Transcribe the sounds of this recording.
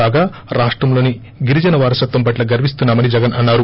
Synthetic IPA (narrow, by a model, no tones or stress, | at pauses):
aːɡaː | ɾaːʂʈɾɐmlo̞ːni | ɡiɾid͡ʒɐnɐʋaːɾɐsɐt̪ʋɐmpɐʈlɐɡɐɾʋist̪unːaːmɐnid͡ʒɐɡɐnʔɐnːaːɾu